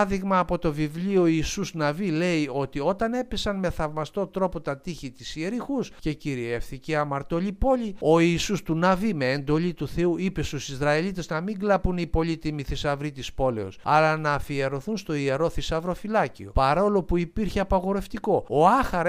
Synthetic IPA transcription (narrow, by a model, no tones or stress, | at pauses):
ðiɣmɐːpo̞t̪o̞vivlio̞iːsuznɐvile̞io̞t̪io̞t̪ɐne̞pesɐnme̞θɐvmɐst̪o̞t̪ɾo̞po̞t̪ɐt̪içit̪isie̞ɾixusce̞ciɾie̞fθiceɐmɐɾt̪o̞lipo̞lio̞iːsust̪unɐvime̞ːnd̪o̞lit̪uθe̞uipe̞st̪usizɾɐelit̪e̞znɐmiŋɡlɐpunipo̞lit̪imiθisɐvɾit̪ispo̞le̞o̰sɐ̰lɐnɐːfieɾo̞θunst̪o̞ieɾo̞θisɐvɾo̞filɐcio̞̰pɐɾo̞lo̞puipiɾçeɐpɐɣo̞ɾe̞ft̪iko̞oɐxɐɾ